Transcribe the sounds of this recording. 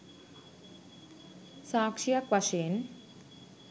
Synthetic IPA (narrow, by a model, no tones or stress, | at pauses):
saːkʂijɐkʋɐʃeːn